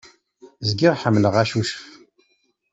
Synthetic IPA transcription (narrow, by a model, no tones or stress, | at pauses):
zɡɪʁħəmːləʁæʃuʃə̥f